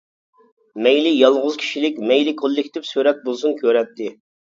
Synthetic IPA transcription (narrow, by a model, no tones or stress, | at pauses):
mɛjlɪjɑlˠʁʊzkʲʰi̥ʃilɪkʲmɛjlɪkʰolˠːɪkʲt̪ʰɪpsyɾɛt̪̚bolˠsunkʲʰøɾɛt̪ʰːɪ